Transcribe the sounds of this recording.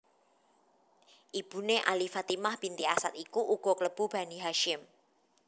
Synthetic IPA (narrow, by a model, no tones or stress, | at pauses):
ʔib̥ṳneʔa̰lifat̪imahb̥int̪iasat̪̚ikuʔuɡ̥ɔ̤kələb̥ṳb̥a̤niɦaʃɪm